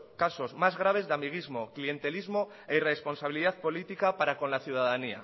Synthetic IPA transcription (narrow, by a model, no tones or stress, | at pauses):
kaso̞zmazɣɾaβ̞e̞zðeamiɣ̞izmo̞klije̞nt̪e̞lizmo̞ | e̞ire̞spo̞nsaβiliðaðpo̞lit̪ikapaɾako̞nlaθjuð̞aðania̰